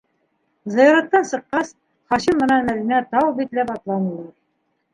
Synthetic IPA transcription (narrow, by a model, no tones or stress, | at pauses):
zɑjɑɾɑt̪ːɑnsɤ̆qːɑs | χɑɕimːɤ̆nɑmælɘ̆næt̪ɑwbit̪læpɑt̪lˠɑmɤlˠɑɾ